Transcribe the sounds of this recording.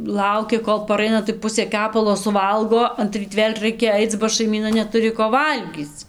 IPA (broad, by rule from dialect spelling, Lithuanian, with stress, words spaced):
ˈlˠɐʊkʲɪ ˈkoːlˠ pɐˈrɐɪnɐ tɐɪ ˈpʊsʲeː ˈkʲæːpɐlˠoː sʊˈʋɐlˠɡoː ɐnʲˈtʲrʲiːt ˈʋʲeːlʲ ˈrɐɪkʲɛ ˈɐɪt͡s bɐ ʃɐɪˈmʲiːnɐ nʲɛˈtʊrʲɪ koː ˈʋɐlʲɡʲiːt͡s